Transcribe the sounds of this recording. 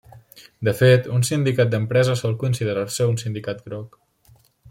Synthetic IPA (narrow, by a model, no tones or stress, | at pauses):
d̪əfet̪unsind̪ikat̪̚d̪əmpɾɛzəsɔlˠkunsiðəɾarsəunsind̪ikat̪̚ɡɾɔk